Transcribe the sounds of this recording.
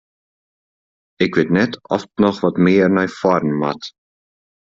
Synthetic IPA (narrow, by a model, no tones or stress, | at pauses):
ɪkvɪtnɛtʰɔftnɔχvɔtmɪːɾnajfɔɾnma̰t